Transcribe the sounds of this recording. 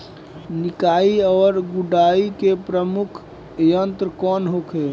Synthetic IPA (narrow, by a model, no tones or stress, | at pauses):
nɪkaːiɔːɾɡʊɖaːikepɾəmʊkʰ | jənt̪ɾəkɔːnɦokʰe